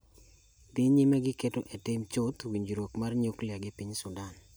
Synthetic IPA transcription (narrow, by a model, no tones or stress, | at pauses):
diɲimɛɡɪketoʔetɪmt͡ʃʊt̪wiɲd͡ʒɾwokmarɲuklɪaɡɪpiɲsʊdan